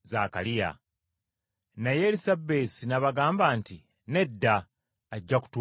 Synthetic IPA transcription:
zaːka̰lija̰ | najeɾisabesinaβaɡaːmbaːnti | ne̞dːaː | ɟːaku̥tu

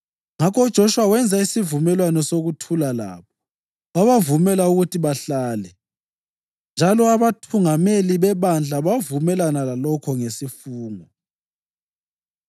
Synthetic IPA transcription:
ŋakɔud̥ʒ̥ʱoʃuwawɛnd͡zʱaisivumɛlwanɔsoɣutʰulala̰ːβɔ | aβavumɛlauɣutʰiβaɬaːlɛ | nd͡ʒʱalɔaβatʰuŋameliβɛβand͡ɮʱaβavumɛlanalalɔkʰɔŋesifuːŋɔ

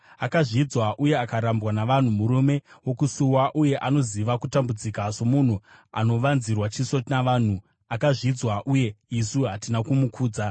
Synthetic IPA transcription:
akaʐid͡zwaʔuje̞akaɾambwanaʋan̤umuɾume̞wo̞kusuwaʔuje̞ʔano̞ziʋakutambud͡zikaso̞mun̤ua̰no̞ʋanzirwat͡ʃiso̞naʋaːn̤u | akaʐid͡zwaʔuje̞isuɦatinakumukʰuːd͡za

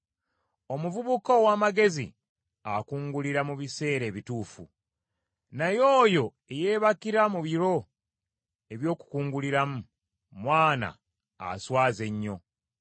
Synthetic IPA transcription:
o̞muvuβukowaːmaɡe̞zḭ | akuːŋɡuliɾamuβise̞ːɾe̞ːβituːfṵ | najo̞ːjo̞ | e̞je̞ːβakiɾamuβiɾo̞ | e̞βjo̞ːku̥kuːŋɡuliɾamu | mwaːna̰ː | swaːze̞ɲːo̞

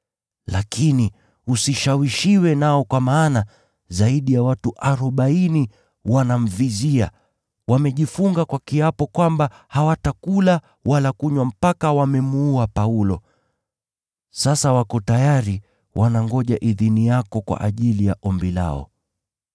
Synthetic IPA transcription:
lakʰini | usiʃawiʃiwɛnaɔkwamaːna | zaiɗijawatuʔaɾɔɓaini | wanam̩vizia̰ | wamɛʄifuŋɡakwakiapɔkwamba | hawatakula | walakuɲwam̩pakawamɛmuuapaulɔ | sasawakɔtajaɾi | wʔanaŋɡɔʄaʔiðinijakɔkwa̰ʔaʄilija̰ʔɔmbila̰ɔ̰

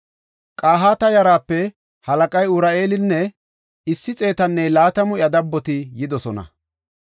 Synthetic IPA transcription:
kʼaːɦaːt̪ɐjɐɾaːpːɛ | hɐlɐkʼɐjʊɾɐe̞ːlɪnːɛ | ɪsːɪt͡sʼe̞ːt̪ɐnːɛlaːt̪ɐmʊjɐd̪ɐbːɔt̪ɪjɪd̪ɔsɔnɐ̰

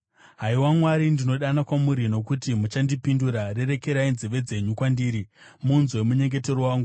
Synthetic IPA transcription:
ɦaiwamwaɾindino̞ɗanakwamuɾino̞kutimut͡ʃandipinduɾare̞ɾe̞ke̞ɾainziʋe̞d͡ze̞ɲukwandiːɾi | munzwe̞muɲe̞ŋɡe̞te̞rowaːŋɡu

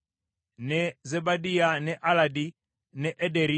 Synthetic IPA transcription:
nɛzɛbadianɛʔaladi | nɛʔɛdɛɾi

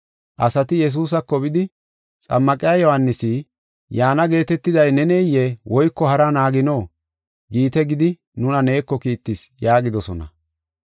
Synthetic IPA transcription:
ʔɐsɐt̪ɪjɛs̬uːs̬ɐkːɔbɪd̪ɪ | t͡sʼɐ̰mːɐkʼɪjajɔhanːɪsi | jaːnɐɡe̞ːt̪ɛt̪ːɪd̪ɐjnɛneːjːɛwɔjkːɔhɐɾɐnaːɡɪnoː | ɡiːt̪ɛɡɪd̪ɪ | nʊnɐne̞ːkːɔkiːt̪ːɪsjaːɡɪd̪ɔsɔnɐ̰

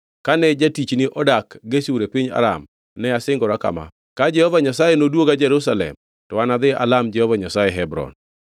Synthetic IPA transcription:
kanɛd͡ʒatit͡ʃnɪʔɔdakɡesuɾepiɲa̰ɾa̰m | nɛasɪŋɡɔɾaka̰ma̰ | kad͡ʒɛhɔvaɲasajenodwoɡad͡ʒɛɾus̬alɛ̰m | tɔwanad̪ɪʔa̰lamd͡ʒɛhɔvaɲasajɛɦɛbɾɔ̰n

